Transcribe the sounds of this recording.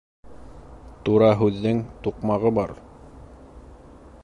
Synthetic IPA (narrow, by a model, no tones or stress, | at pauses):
t̪uɾɑɦʉðːɘŋt̪uqmɑʁɤbɑɾ